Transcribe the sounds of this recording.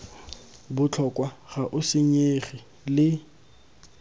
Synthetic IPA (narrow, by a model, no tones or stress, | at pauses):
bʊt͡ɬʰɔkʼwaɣaʔʊsɪɲeχi | lɪ